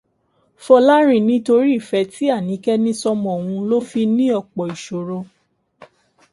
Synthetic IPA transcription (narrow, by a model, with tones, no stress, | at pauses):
fɔ˧la˦ɾ̃ĩ˨nĩ˨˦to˧ɾi˦i˦˨fɛ˧˦ti˦a˦˨nĩ˨˦kɛ˦nĩ˦sɔ˧mɔ̃˨wũ˧lo˦fi˧nĩ˦ɔ˦˨k͡pɔ˨i˨ʃo˨ɾõ˧